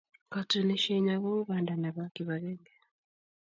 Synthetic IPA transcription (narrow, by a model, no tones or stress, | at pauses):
katuneʃeɲaβouβaːndanaβakiβaleŋɡe